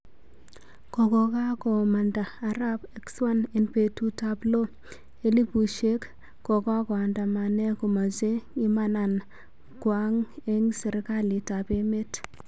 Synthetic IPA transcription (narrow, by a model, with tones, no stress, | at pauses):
kɔ˨kɔ˨ka˦kɔ˨ma˨ndaː˨ɾa˦be˦kswa˦ne˨npe˨tu˦ta˦blo˦ | e˦li˦bu˨ʃe˦k | kɔ˨ka˦kɔ˨a˨nda˨ma˨nɛ˦kɔ˨ma˨ze˦ŋɪ˦ma˦na˨n | kwa˦ŋe˦ŋsɛ˨ɾka˦li˨ta˨pe˦me˦t